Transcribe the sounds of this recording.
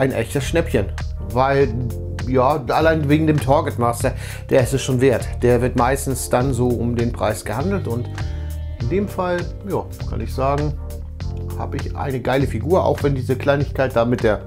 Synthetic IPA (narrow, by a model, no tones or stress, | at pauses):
ʔaɪnʔɛ̰çtəsʃnɛpçən | vaɪl | jaːʔalaɪnveːɡŋ̩deːmtʰɔɐɡətmaːstɐ | d̥eːɐɪstɛsʃoːnveːɐtd̥eːɐvɪɐtmaɪstn̩sd̥anzoːʔʊmdeːnpʁ̥a̰ɪsɡ̥əhandl̩tʊnt | ʔɪndeːmfal | jaː | kʰa̰nɪçz̥aːɡŋ̩ | ha̰ːbəɪçʔa̰ɪnəɡaɪləfiɡuːɐa̰ʊxv̥ɛndiːzəkl̥aɪnɪçkaɪt̚d̥aːmɪt̚d̥eːɐ